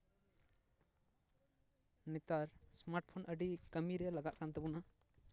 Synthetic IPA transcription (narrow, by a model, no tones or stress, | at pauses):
nɛt̪aɾsmaɾʈ̚pʰɔnəɖikəmiɾɛlaɡaʔkant̪ɛbɔna